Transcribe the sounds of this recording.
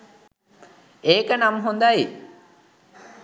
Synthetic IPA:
eːkənamɦond̪aji

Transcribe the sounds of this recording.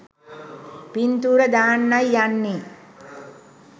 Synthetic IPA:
pint̪uːɾəd̪aːnːajːanːi

